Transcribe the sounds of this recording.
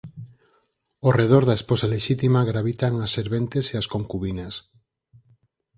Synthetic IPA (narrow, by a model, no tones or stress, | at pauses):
oreð̞oɾðaesposaleʃit̪imaɣɾaβ̞it̪aŋasːeɾβent̪eseaskoŋkuβinas